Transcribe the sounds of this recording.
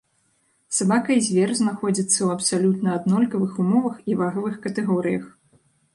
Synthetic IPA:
sabakɐjzʲvʲɛrznaxɔd͡zʲit̪sːɐwɐpsalʲut̪nɐːd̪nɔlʲkɐvɨxumɔvɐxivaɣɐvɨxkɐt̪ɛɣɔɾɨjɐx

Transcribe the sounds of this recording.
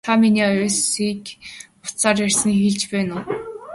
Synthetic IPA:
aminiːɔʊːsiːk | ʊ̥t̪saːrjær̥ʲs̆nixiːɮt͡ɕpæːnʊː

